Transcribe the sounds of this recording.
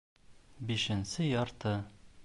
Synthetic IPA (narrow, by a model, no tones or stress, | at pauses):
biʃɘ̆nsɘjɒɾt̪ɤ